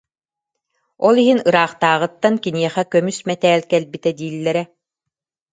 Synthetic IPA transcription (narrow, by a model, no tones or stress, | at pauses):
ɔlˠiɦinɯɾaːχt̪aːʁɯt̪ːankiniɛχɛkœmysmɛt̪ɛːlkɛlbit̪ɛd̪iːlːɛɾɛ